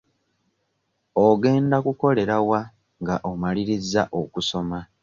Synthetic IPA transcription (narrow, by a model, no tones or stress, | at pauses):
oɡe̞ːndakuko̞le̞ɾawa | ŋɡaʔomaliɾizaʔokuso̞ma